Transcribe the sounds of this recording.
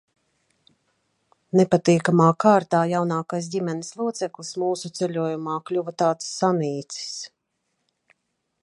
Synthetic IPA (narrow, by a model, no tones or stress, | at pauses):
nepat̪iːkamaːkaːɾt̪aːjawnaːkajs̬dʲimɛnislˠuɔt̪sɛklˠismuːsut̪sɛʎʲuɔjumaːklʲuvat̪aːt̪sːaniːt̪si̥s